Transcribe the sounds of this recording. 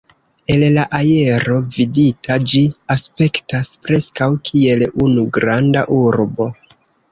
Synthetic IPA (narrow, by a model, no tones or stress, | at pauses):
e̞llaʔaje̞ɾo̞viditʰad͡ʒiaspe̞ktaspɾe̞skawkʰie̞lunuɡɾandaʔuɾbo̞